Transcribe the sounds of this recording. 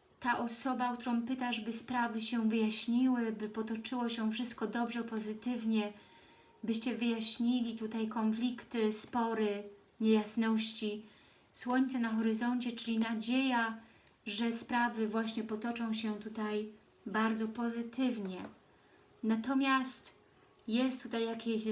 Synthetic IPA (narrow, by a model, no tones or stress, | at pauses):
t̪aʔɔsɔbak̚t̪uɾɔ̃w̃pɘt̪aʐbɘspɾavɘɕɛvɘjaɕɲiwɘbɘpɔt̪ɔt͡ʂɘwɔɕɛ̃fʂɘst̪̚kɔd̪ɔbʐɛpɔzɘt̪ɘvɲɛ | bɘɕt͡ɕɛvɘjaɕɲilʲit̪ut̪ajkɔnflʲikt̪ɘspɔɾɘ | ɲɛjasnɔɕt͡ɕi | swɔɲt̪sɛnaxɔɾɘzɔɲt͡ɕɛt͡ʂɘlʲinad͡ʑeja | ʐɛspɾavɘvwaɕɲɛpɔt̪ɔt͡ʂɔ̃w̃ɕɛt̪ut̪aj | baɾd̪zɔpɔzɘt̪ɘvɲɛ | nat̪ɔmʲjast̪ | jɛst̪ːut̪ajːakʲeɕ